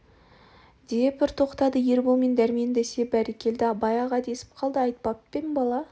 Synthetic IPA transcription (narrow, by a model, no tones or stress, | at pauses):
d̪epɪɾt̪ʰo̞qt̪ɑd̪əje̞ɾbomend̪æɾmend̪esebæɾekʲe̞ld̪ɪɑbɑjɑʁɑd̪e̞sɪ̥p̚qʰɑlˠd̪əɑjt̪̚pɑpːenbɑlˠɑ